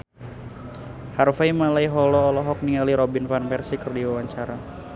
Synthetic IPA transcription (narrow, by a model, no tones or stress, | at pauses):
harfajmalaiɦɔlɔːlɔɦɔk̚niŋaliɾɔbinfanpɛrsikərdiwawaɲt͡ʃaɾa